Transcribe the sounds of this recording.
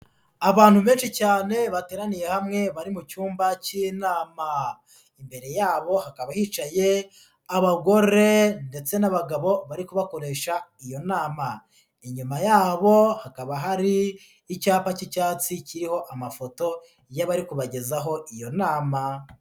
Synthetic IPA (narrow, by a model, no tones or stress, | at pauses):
aβaːn̥huβe̞ːnʃicaːne̞βateːɾanije̞hamŋe̞βaɾimucuːmbaciːnaːma | imbe̞ɾe̞jaːβo̞hakaβahit͡ʃaje̞ | aβaɡo̞ɾe̞nde̞t͡se̞naβaɡaβo̞βaɾikuβako̞ɾe̞ːʃaijo̞naːma | iɲumajaːβo̞hakaβaɦaɾiː | caːpacicaːt͡siciɾiho̞ʔamafo̞to̞ | jaβaɾikuβaɟe̞zaɦo̞ʔijo̞naːma